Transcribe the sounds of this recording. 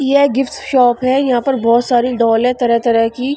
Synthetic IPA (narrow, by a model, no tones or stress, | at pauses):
jeɡɪfʈʃɔːpɦɛjɐɦãːpɐɾbɔːt̪saːɾiɖɔːlɛ̃t̪ɐɾət̪ɐɾəkiː